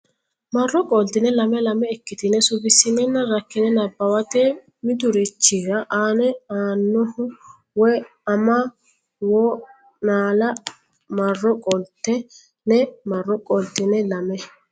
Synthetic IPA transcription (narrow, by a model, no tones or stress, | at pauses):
mɐrːɔkʼɔlt̪ːɪnɛlɐmɛlɐmɛːkːɪt̪ɪnɛsʊbɪsɪmɛnːɐɾɐkːɪnɛnɐbːɐwɐt̪ɛ | mɪd̪ʊɾɪt͡ʃːɪɡɐʔaːnɛaːnːɔhʊ | wɔj | ɐmɐ | wɔ | naːlɐ | mɐrːɔkʼɔlt̪ːɛ | nɛmɐrːɔkʼɔlt̪ɪnɛlɐmɛ